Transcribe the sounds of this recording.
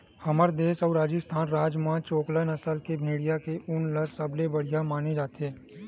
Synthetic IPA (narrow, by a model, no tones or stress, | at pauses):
hɐməɾd̪eːʃɔːɾaːd͡ʒəst̪ʰaːnɾaːd͡ʒmãt͡ʃoːklənɐsəlkebʱeːɽijakeʔʊnləsɐblebɐɽ̤ijamaːned͡ʒaːt̪eː